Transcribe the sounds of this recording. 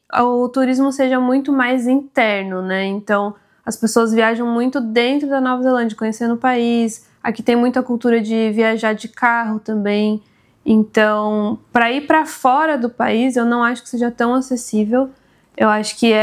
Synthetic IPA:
ʊt̪uɾizmʊseʒɐmũj̃t̪ʊmajzĩt̪ɛɾnʊnɛẽnt̪ɐ̃w̃ | ɐspesoɐzviaʒɐ̃w̃mũj̃t̪ʊd̪ẽnt̪ɾʊd̪ɐnɔvɐzelɐ̃nd͡ʒɐkõɲesẽnd̪ʊʊpais | akit̪ẽj̃mũj̃t̪ʊɐkuwt̪uɾɐd͡ʒɪviaʒaɾd͡ʒɪkaɦʊt̪ɐ̃mbẽj̃ | ẽnt̪ɐ̃w̃pɾɐipɾɐfɔɾɐd̪ʊpa̰izewnɐ̃w̃aʃʊ̥kɪ̥seʒɐt̪ɐ̃w̃asesivew | ewaʃʊ̥kɪɛ

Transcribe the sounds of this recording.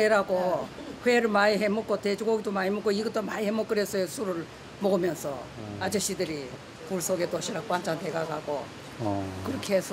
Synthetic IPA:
eɾaɡo | hweɾɯɭmaiɦemok͈oted͡ʑuɡoɡidomaemok͈ːoiɡʌt͈omaihemok͈ɯɾesʰʌesʰuɾɯɭ | moɡɯmjʌnsʰʌad͡ʑeɕ͈idɯɾi | puɭsoɡetoɕʰiɾak̚k͈wand͡ʑanteɡaɡaɡo | kɯɾʌkʰeɦesʰʌ

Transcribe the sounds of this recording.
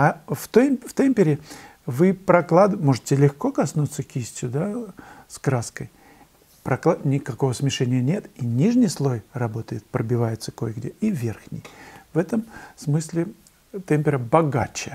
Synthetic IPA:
aft̪oft̪emʲpʲɪɾʲɪvɨpɾɐklˠad̪mo̞ʐɨtʲɪlʲɪxko̞kɐsnut̪səkʲisʲtʲjʊd̪askɾaskəj | pɾɐklˠanʲɪkɐko̞vəsmʲɪʂɛnʲɪjənʲe̞t̪inʲiʐnʲɪjslˠo̞jrɐbo̞t̪əjɪt̪̚pɾəbʲɪvajɪt̪sə̥ko̞jɡdʲeivʲe̞rxnʲɪ̰jvɛt̪əmsmɨsʲlʲɪ | t̪ɛmʲpʲɪɾəbɐɡa̰t͡ɕɪjə

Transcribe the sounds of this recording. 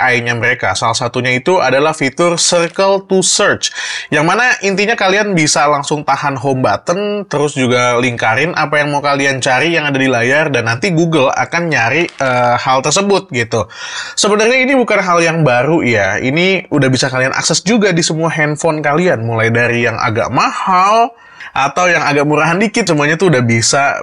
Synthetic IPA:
ʔaiɲaməɾekasalahsat̪uɲait̪uadalahfit̪ʊrsərkəlt̪usərt͡ʃjaŋmanaʔint̪iɲakalianbisalaŋsʊŋt̪ahanɦɔmbat̪ənt̪əɾʊsd͡ʒuɡaliŋkaɾɪnʔapajaŋmaukaliant͡ʃaɾijaŋadadilajardanːant̪iɡuɡəla̰kanɲaɾɪəːhalt̪ərsəbʊt̪̚ɡit̪usəbənərɲainibukanɦaljaŋbaɾujaḭniudahbisakalianʔa̰ksɛsd͡ʒuɡadisəmuaɦɛnfɔnkalianmulajdaɾijaŋʔa̰ɡa̰ʔmahal | ʔa̰t̪awjaŋaɡak̚muɾaɦandikɪt̪səmuaɲat̪uːdahbisa

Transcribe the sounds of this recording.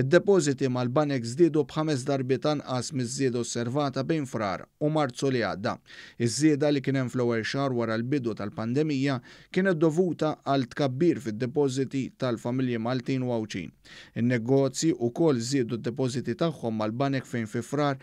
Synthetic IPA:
ɪd̪ːɛpɔːzɪt̪imɐlbɐnɛkzd̪ɪːd̪ubħɐmɛs̬d̪ɐɾbɪt̪ɐnʔɐsmɪzːɪːd̪ɐɔsːɛɾvɐːt̪ɐbɛjnfɾɐ̰ːɾʊmɐɾt͡sulɪɐ̰ːd̪ːɐ̰ɪzːɪːd̪ɐlikɪːnɛmflɛwːɛlʃɐːɾwɐɾɐlbɪd̪ut̪ɐlpɐnd̪ɛmɪjːɐkɪːnɛt̪̚ːɔvuːt̪ɐʔɐlt̪kɐbːiːɾfɪd̪ːɛpɔːzɪt̪it̪ɐlfɐmɪljimɐlt̪iːnʊɐwt͡ʃḭːn | ɪnːɛɡɔːt͡sjiʔʊkɔlːzd̪ɪːd̪ud̪ːɛp̬ɔzɪt̪it̪ɐħːɔmːɐlbɐnɛkfɛjnfɪfɾɐːɾ

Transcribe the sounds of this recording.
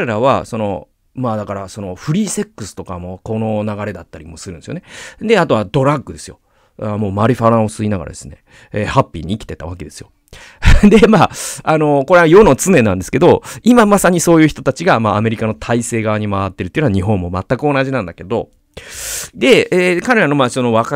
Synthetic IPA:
kɾe̞ɾaβa̰so̞no̞̰ | maːd̪akaɾaso̞no̞ɸɯ̟ɾʲiːse̞kːɯ̟sɨ̥t̪o̞kamo̞ko̞nonaɡaɾe̞d̪at̪ːaɾʲimo̞sɨɾɯ̃nesjoned̪e̞at̪o̞βad̪o̞ɾaɡːɯ̟d̪e̞sɨjo̞̰ | amo̞ːmaɾʲiɸaɾãosɨinaɡa̰ɾa̰d̪e̞sɨ̥ne̞̰ | eːhapʲːḭːɲ̟iːkʲi̥t̪e̞t̪a̰βake̞d̪e̞sɨjo̞ | d̪e̞maano̞ko̞ɾe̞jo̞not͡sɨne̞nãnd̪e̞sɨ̥ke̞d̪o̞imamasaɲ̟iso̞ːjɯ̟ːçi̥t̪o̞t̪at͡ɕiɡamaːme̞ɾʲikano̞t̪ʰaise̞ːɡaβaɲ̟imaβat̪ːe̞ɾɯt̪ːejiɯnaaɲ̟iɦõ̞mːo̞mat̪ːakɯ̟o̞naʑinãnd̪ake̞d̪o̞̰ | d̪e̞ekaɾe̞ɾano̞maɕso̞noβaka

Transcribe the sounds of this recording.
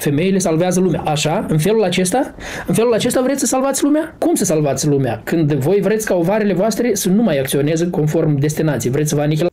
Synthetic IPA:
fe̞me̞jilesalveazəlumeaʔaʃaɨnfe̞lulat͡ʃe̞st̪a | ɨnfe̞lulat͡ʃe̞st̪avɾet̪ssəsalvat̪ʲlumeakumsəsalvat̪sʲlumea̰kɨnd̪vo̞jvɾe̞t̪sʲkao̞vaɾele̞voast̪ɾe̞sənumajak̚t̪sio̞ne̞zəko̞nfo̞rmd̪e̞s̬t̪inat̪sijvɾet̪sʲvanik̬ʲla

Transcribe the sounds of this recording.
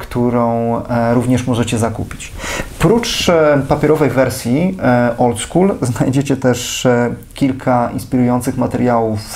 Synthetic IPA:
kt̪uɾɔ̃w̃ɾuvɲɛʂmɔʐɛt͡ɕɛzakṵpʲi̥t͡ɕ | pɾut͡ʂpapʲjɛɾɔvɛjvɛɾsʲjiʔɔlt̪skulznajd͡ʑet͡ɕɛt̪ɛʂ | kʲilkʰaḭnspʲiɾujɔnt̪sɘxmat̪ɛɾjawuf

